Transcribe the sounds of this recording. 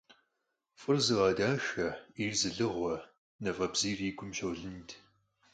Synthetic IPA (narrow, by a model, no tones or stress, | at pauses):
fʼɨrzɨʁɑːdaːʃɐirzɨɮɨʁʷɔ | nɐfʼɐbz̥iːriːɡʷʊmʃɐwɮɨntʰ